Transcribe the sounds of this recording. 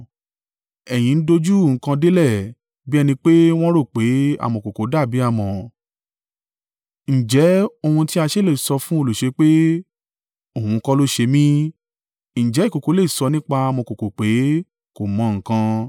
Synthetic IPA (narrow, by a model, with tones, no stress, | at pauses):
ɛ˨j̃ĩ˨˦n̩˦do˧d͡ʒu˦˨ŋ̩˦kã˧de˦lɛ˦˨ | bi˦ɛ˧nĩ˧k͡pe˦w̃ɔ̃˦ɾo˦˨k͡pe˨˦a̰˨mɔ̃˨ko˨ko˨˦da˦˨bi˨˦a˦˨mɔ̃˨ | n̩˨d͡ʒɛ˨˦o˧hũ˧ti˦a˧ʃe˦˨le˦˨i˨sɔ˧fũ˦o˧lo˨ʃe˨˧˦k͡pe˦ | o˦˨hũ˧kɔ˦lo˦ʃe˧mĩ˦ | n̩˨d͡ʒɛ˨˦i˦˨ko˨ko˨˦le˦˨i˨sɔ˧nĩ˦k͡pa˧a˧mɔ̃˧˨ko˨ko˨k͡pe˨˦ | ko˨mɔ̃˨˦ŋ̩˨kã˧